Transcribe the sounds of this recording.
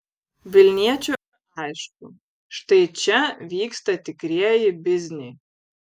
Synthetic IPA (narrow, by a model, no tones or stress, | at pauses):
ʋʲɪlʲnʲiɛt͡ʃʲu | ɛɪʃt̪u | ʃt̪ɐɪt͡ʃʲɛʋʲiːkst̪ɐt̪ʲɪkɾʲiɛjɪbʲɪzʲnʲɪj